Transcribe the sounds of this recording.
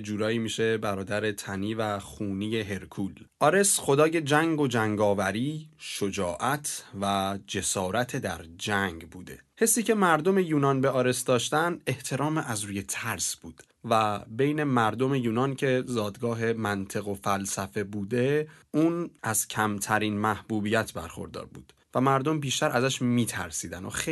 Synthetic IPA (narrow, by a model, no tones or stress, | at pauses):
d͡ʒuːɾɒːiːmiʃe̞bæɾɒːd̪æɾe̞t̪ʰæniːvæxuːnije̞ɦe̞ɾkʰuːlʔɒːɾe̞sχo̞d̪ɒːje̞d͡ʒæŋɡo̞d͡ʒæŋɡɒːvæɾiːʃod͡ʒɒːʔæt̪ʰvæd͡ʒe̞sɒːɾæt̪ʰed̪æɾd͡ʒæŋɡbuːd̪e̞̰ | he̞sːiːcʰe̞mæɾd̪o̞me̞juːnɒnbe̞ɒːɾe̞sd̪ɒːʃt̪ænd̪e̞ht̪ʰe̞ɾɒːmeʔæzɾuːje̞t̪ʰæɾsb̥uːd̪̥ | væbe̞jne̞mæɾd̪o̞me̞juːnɒːncʰe̞zɒːd̪ɡɒːɦe̞mænt̪ʰe̞ɣo̞fælsæfe̞buːd̪euːnʔæz̥cʰæmt̪ʰæɾiːnmæhbuːbiːjæt̪ʰbæɾxo̞̰ɾd̪ɒ̰ːɾbṵːd̪̥ | væmæɾd̪o̞mbiːʃt̪æɾæzæʃmiːt̪ʰæ̰ɾsiːd̪æno̰xe